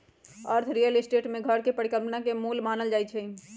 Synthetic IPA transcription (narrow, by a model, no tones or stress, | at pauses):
əɾt̪ʰɾijəlɪsʈeːʈmẽɡʱəɾkepəɽikəpnakemuːlmaːnəld͡ʒaːit͡ʃʰɛ